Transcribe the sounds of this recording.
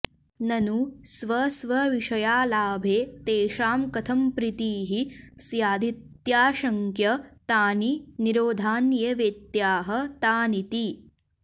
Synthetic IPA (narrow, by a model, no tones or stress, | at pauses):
nɐnusʋɐsʋɐʋiʂɐjaːlaːbʱeːt̪eːʃaːmkɐt̪ʰɐmpɾit̪iːɦisjaːd̪ʱit̪jaːʃɐŋkjɐt̪aːniniɾoːd̪ʱaːnjɐʋeːt̪jaːɦɐt̪aːnit̪i